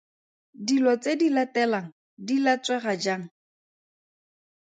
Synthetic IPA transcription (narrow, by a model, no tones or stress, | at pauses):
dilɔt͡sedilɛtɛlaŋ̩ | dilɛt͡swɛɣad͡ʒaːŋ̩